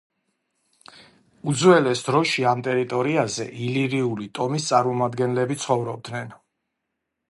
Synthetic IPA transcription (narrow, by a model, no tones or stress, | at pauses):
ud̪zwɛlɛsd̪ɾɔʃiamt̪ʼɛɾit̪ʼɔɾiazɛʔiliɾiulit̪ʼɔmist̪sʼaɾmɔmad̪ɡɛnlɛbit̪sʰχɔvɾɔb̚d̪nɛn